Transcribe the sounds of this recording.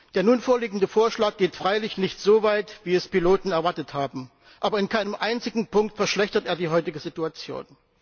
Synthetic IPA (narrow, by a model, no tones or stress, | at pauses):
d̥eːɐnuːnfoːɐliːɡŋ̩dəfoːɐʃlaːk̚ɡ̥eːtfʁ̥aɪlɪçnɪçtz̥oːvaɪtv̥iːɛspiloːtn̩ɛɐvaɐtəthaːbm̩ | ʔaːbɐɪnkʰaɪnəmʔaɪnt͡sɪɡŋ̩pʰʊŋk̚tfɛɐʃlɛçtɐteːɐdiːɦɔʏtɪɡəzituat͡sjo̰ːn